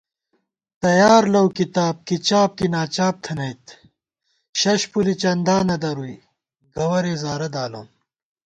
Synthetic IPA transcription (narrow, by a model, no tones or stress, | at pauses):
t̪ɐjaːɾlɐwkit̪aːb̚kit͡ɕaːb̚kinaːt͡ɕaːp̚t̪ʰɐnɐjt̪ | ɕɐɕpulit͡ɕɐnd̪aːnɐd̪ɐɾui | ɡɐwɐɾezaːɾɐd̪aːlɐ̰n